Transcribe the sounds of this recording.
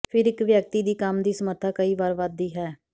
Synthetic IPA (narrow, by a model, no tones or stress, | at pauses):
pʰɪɾɪkʋjək̚t̪iːd̪iːkəmd̪iːsəməɾt̪ʰaːkəiːʋaːɾʋad̪iːɦɛː